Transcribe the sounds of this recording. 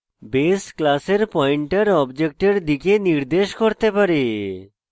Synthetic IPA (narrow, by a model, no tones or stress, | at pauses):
besklaseɾpɔjɳʈaɾɔbd͡ʑek̚ʈeɾd̪ikeniɾd̪eʃkoɾt̪epaɾe